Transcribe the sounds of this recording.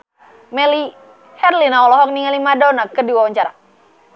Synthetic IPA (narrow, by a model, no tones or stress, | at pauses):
mɛli | hɛrlinaɔlɔɦɔk̚niŋalimadɔnakədiwawaɲt͡ʃaɾa